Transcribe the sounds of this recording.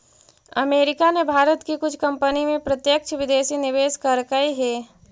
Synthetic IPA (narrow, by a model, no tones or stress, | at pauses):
ɐ̰meːɾɪkanebʱaːɾət̪kikʊt͡ʃʰkɐ̃mpənimẽpɾɐt̪jək̚t͡ʃʰʋɪd̪eːsinɪʋeːskɐɾkaiɦɛː